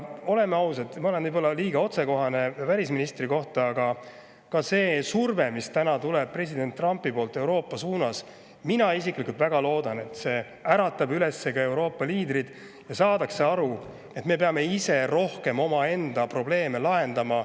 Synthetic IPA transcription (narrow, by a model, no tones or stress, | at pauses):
o̞le̞mːeɑwset̪mɑo̞lenibolːɑliːɡ̥ɑo̞t̪se̞ko̞ɦɑne̞vælʲisminist̪riko̞ht̪ɑːɡ̥ɑ | kɑse̞ːsurve̞mist̪ænɑt̪uleb̚pre̞sʲid̪̥e̞nt̪ːˑrɑmpːˑipo̞ːlt̪ːˑe̞wɾo̞ːpːˑɑsuːnɑs | minɑisiklikult̪væɡ̥ɑlo̞ːd̪ɑne̞t̪ːse̞ː | æɾɑt̪ːˑɑbyle̞sːe̞kɑe̞wɾo̞ːpːˑɑliːd̪ɾid̪̥ | jɑsɑːd̪̥ɑkseɑɾu | e̞t̪ːˑme̞pe̞ɑme̞ise̞ɾo̞hke̞mo̞mɑe̞nd̪̥ɑpro̞ble̞ːme̞lɑe̞nd̪̥ɑmɑ